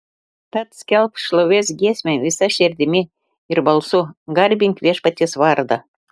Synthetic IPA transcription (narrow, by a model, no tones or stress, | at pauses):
t̪ɑt̪skʲelpʃloβʲesɡesʲmʲeβʲisɑʃerd̪ʲemʲe | irbɑlˠsuɡɑrʲbʲiŋkβʲeʃpɑt̪ʲːesβɑrd̪ɑ